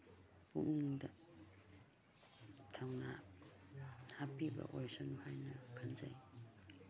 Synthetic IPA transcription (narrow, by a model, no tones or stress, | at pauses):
pukniŋdɐ | tʰawna | hapibɐ̰ʔojsanuhajnɐkʰanza̰j